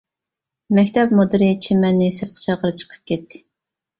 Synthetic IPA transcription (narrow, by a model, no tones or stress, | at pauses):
mɛkʲt̪ʰɛp̚mod̪ɨɾit͡ʃʰemɛnːɪsɨɾt̪ʰɨ̥t͡ʃʰɑʁəɾɨt͡ʃʰə̥qʰə̥p̚kʲɛt̪ʰːɪ̥